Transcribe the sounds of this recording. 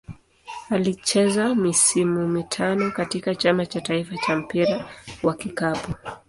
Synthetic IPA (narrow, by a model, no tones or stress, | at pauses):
alit͡ʃɛzamisimumitʰanɔkatikat͡ʃamat͡ʃataifat͡ʃam̩piɾawakikapu